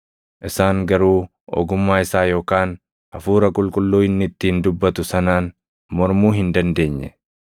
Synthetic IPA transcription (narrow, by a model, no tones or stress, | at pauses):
ʔɪsaːŋɡɐɾuː | ɔ̰ːɡʊmːaːɪsaːjo̞ːkaːn | ʔɐfuːɾɐkʼʊlkʼʊlːuːɪnːɪt̪ːɪɪnd̪ʊbːɐt̪ʊsɐnaːn | mɔɾmuːɦɪnd̪ɐnd̪e̞ːɲːɛ̰